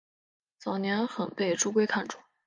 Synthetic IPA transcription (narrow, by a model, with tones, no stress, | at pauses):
t͡sɑ˨˩ʊnjɛ˧˥nxə˨˩npe˥˩ɪʈ͡ʂu˥k̬we˥ɪkʰa˥˧nʈ͡ʂʊ˥˩˦